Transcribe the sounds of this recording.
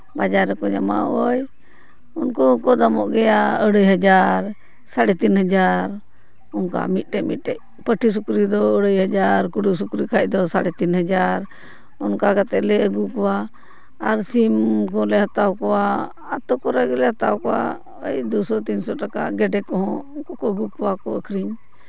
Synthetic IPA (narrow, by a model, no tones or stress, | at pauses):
bad͡ʒaɾːɛkɔɲama̰ɔj | unkɔkɔd̪amɔʔɡɛjaəɽəjɦəd͡ʒaɾ | saɽɛt̪inɦəd͡ʒaɾ | unka̰mit̪̚ˀʈɛʔmit̪̚ʈɛʔ | pəʈʰis̬ukɾid̪ɔəɽəjɦəd͡ʒaɾkuɽus̬ukɾikʰaʔ̚ˀd̪ɔsaɽɛt̪inɦəd͡ʒaɾ | ɔnkakat̪ɛʔlɛəɡukɔwaː | ɾsimkɔlɛɦat̪awkɔwaː | t̪ɔkɔɾɛɡɛlɛɦat̪awkɔwa̰ | ə̰jd̪usɔt̪insɔʈaka̰ʔɡɛɖɛkɔɦɔ̃unkɔkɔəɡukɔwakɔəkʰɾiɲ